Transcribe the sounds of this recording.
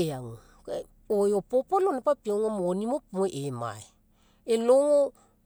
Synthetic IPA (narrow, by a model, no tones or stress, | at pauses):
eaŋo | ojopopolonepapioŋomonimopomoʔema̰e | eloŋo